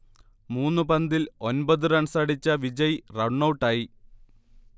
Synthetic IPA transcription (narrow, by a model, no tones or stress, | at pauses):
muːnːɨpɐnd̪ilo̞nbɐðɨɾɐɳsɐɽit͡ɕːɐʋid͡ʑɐjrɐɳːɐwʈːaːji